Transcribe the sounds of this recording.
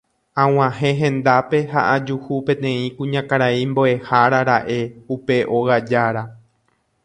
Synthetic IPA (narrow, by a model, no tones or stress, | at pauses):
ãw̃ãhẽ̞ɦẽ̞nd̪ape̞ɦa̰ʔad͡ʒuhupẽ̞t̪ẽ̞ĩkũɲãkaɾaimboe̞haɾaɾaʔe̞upe̞ʔo̞ɣad͡ʒaɾa